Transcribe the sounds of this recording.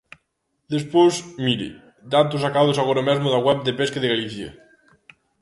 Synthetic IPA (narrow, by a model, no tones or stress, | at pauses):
d̪espwozmiɾḛ | d̪at̪us̬akaðosaɣoɾamezmoðaɣwɛb̚d̪epeskeðeɣaliθjḛ